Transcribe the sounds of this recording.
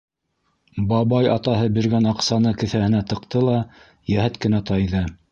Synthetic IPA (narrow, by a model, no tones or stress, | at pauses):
bɑβɑjɑt̪ɑɦɤbĭɾɡænɑqsɑnɤkɘ̆θæhɘ̆næt̪ɤ̆qt̪ɤlˠɑ | jæhæt̪kɘ̆næt̪ɑjðɤ